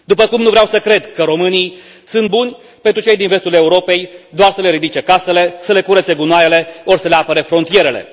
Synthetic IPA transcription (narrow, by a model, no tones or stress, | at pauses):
d̪upəkumnuvɾeawsəkɾe̞d̪kəɾo̞mɨnij | sunt̪̚bunʲ | pe̞nt̪ɾut͡ʃe̞jd̪inve̞st̪ule̞uɾo̞pe̞jd̪oarsəle̞ɾid̪it͡ʃe̞kase̞le̞səle̞kuɾət̪seɡunoajele̞o̞rsəle̞apəɾefɾont̪ije̞ɾe̞le̞̰